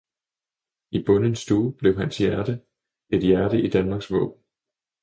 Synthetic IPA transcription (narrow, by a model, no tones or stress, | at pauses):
ib̥ɔ̽nənsd̥uːb̥le̝ʊɦænsjæɐd̥ə | e̝d̥jæɐɾ̥əʔid̥ænmɑ̈ɡ̥sʋɔ̰̽ːb̥n̩